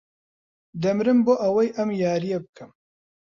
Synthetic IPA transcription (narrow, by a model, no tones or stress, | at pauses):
d̪ɐmɾɨmboːʔɐwɐjʔɐmjaːɾijɛbɨkʰɨm